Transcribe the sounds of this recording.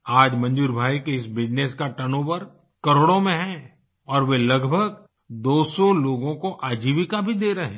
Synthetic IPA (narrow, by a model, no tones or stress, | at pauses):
aːd͡ʒmɐ̃ɲd͡ʒuːɾbʱaːikeɪsbɪd͡ʒneːskaʈɐnoːbəɾ | kɐɾoːɽõmẽɦɛ̃ː | ɔːɾʋelɐɡbʱəɡ | d̪oːsɔloːɡõkoʔaːd͡ʒiːʋɪkabʱid̪eːɾɐɦẽː